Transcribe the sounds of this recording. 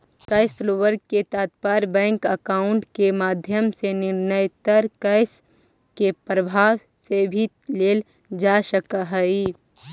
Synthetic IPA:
kɐɪspʰloːʋəɾk̚ket̪aːt̪paːɾbɛ̃ːŋkəkaːʊɳʈkemaːd̪ʱjəmsenɪɾnəjt̪əɾkəɪs | kepɾəbʱaːʋ | sebʱi | leːl | d͡ʒaːʃəkaɦɛi

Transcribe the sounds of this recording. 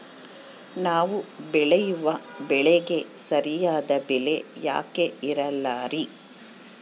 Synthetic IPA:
naːʋubɛɭejuʋɐbɛɭeɡe̞sɐɾijaːd̪ɐbɛle̞ja̰ːke̞iɾɐlːaːɾi

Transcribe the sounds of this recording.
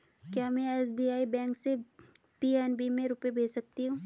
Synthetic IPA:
kjaːmɛ̃ɛːsbiːaːibɛ̃ːŋkse | piːɛːnbimẽɾʊpebʱeːsɐk̚t̪iɦũː

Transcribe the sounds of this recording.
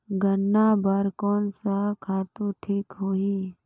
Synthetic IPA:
ɡənːabəɾkɔːnsakʰaːt̪uʈʰiːkɦoːi

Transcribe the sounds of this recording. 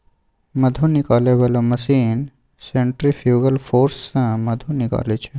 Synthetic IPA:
məd̪ʱunɪkaleʋaloməsin | sẽɳʈɾifjuːɡəlfoːɾsːãməd̪ʱũnɪka̰ːlet͡ʃʰe

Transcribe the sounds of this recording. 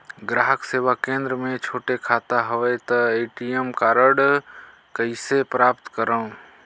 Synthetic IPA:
ɡɾaːɦəkseːʋakẽnd̪ɾəmẽt͡ʃʰoːʈekʰat̪aɦəʋɛt̪ɔeʈijəmkaːɾəɽ | kəɪsepɾaːpt̪kəɾəũ

